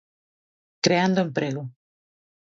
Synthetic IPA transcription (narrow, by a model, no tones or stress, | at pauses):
kɾeand̪oẽmpɾeɣo